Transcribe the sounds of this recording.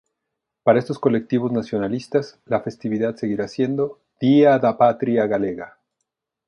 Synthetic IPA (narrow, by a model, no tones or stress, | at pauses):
paɾae̞st̪o̞sko̞le̞k̚t̪iβo̞znasjo̞nalist̪aslafe̞st̪iβiðad̪se̞ɣiɾasje̞nd̪o̞ | d̪̥iaðapat̪ɾiaɣale̞ɣa